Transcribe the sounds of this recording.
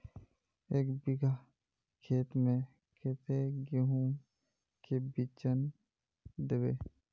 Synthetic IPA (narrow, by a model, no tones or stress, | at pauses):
eːkbɪɡʱa | kʰeːt̪mẽ | kʰeːt̪eɡeɦũ | kebit͡ʃən | d̪eweː